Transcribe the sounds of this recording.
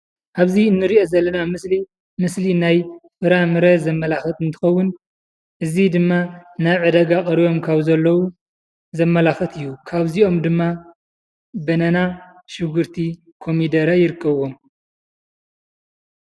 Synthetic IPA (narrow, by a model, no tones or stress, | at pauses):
ʔaβziɨnːɨɾiʔo̞zɐlːɐnamɨsli | mɨslinajfɨɾamɨɾɐt̪zɐmːɐlaxɐt̪ɨnt̪ʰɨ̥xɐwːʊn | ʔɨzid̪ɨmːanajʕɨd̪ɐɡakʼɐɾijo̞mkʰaβzɐlːɐwu | zɐmːɐlaxɐt̪ʰɨjːukʰaβzio̞md̪ɨmːa | bɐnɐna | ʃɪɡɨɾt̪ʰi | kʰo̞mid̪ɐɾajɪɾɨkʰːɐβwo̞m